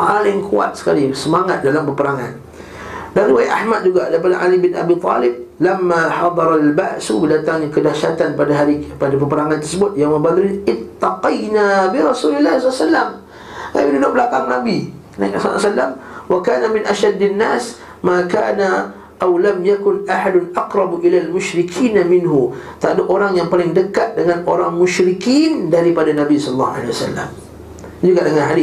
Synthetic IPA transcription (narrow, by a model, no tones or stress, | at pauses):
ʔalɪŋkʰua̰t̪̚sə̥kalisəmaŋat̪̚dalampəpəɾaŋan | daɾiwajaʔahmad̪̚d͡ʒuɡadaɾipadaʔalibɪnʔa̰bit̪ˤɑ̰lɪb̚lamːaħɑd̪ˤɑɾˤalbaʔsubədat̪aŋɲakədaʃat̪anpadaɦaɾipadapəpəɾaŋant̪ərsəbʊt̪̚jaŋmə̃balʊlʔɪt̪ːɑqijnabiɾɑsulɪlːahslːasalːam | ka̰binudʊʔ̚bəlakaŋnabi | na̰kasa̰salːamwakaːnamɪnʔaʃadːɪnːaːs | makaːna | ʔawlamjakʊnaħadʊnʔɑqɾˤɑbʔilalmʊʃɾikʰiːnamɪnɦut̪aadaʔoɾaŋjaŋpalɪŋdəkat̪̚dəŋanʔoɾaŋmʊʃɾikindaɾipadanabisɔllːɑ̰ha̰lewasa̰lːa̰m | d͡ʒuɡadəŋanɦadi